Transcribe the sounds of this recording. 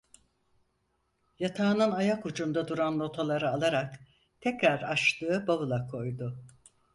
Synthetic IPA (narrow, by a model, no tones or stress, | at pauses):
jat̪ʰaːnɯnajakud͡ʒund̪ad̪uɾanlˠo̞t̪ʰalˠaɾɯalˠaɾak | t̪ʰɛcɾaɾaʃt̪ɯːɯbaβɯlˠakʰo̞jd̪ʊ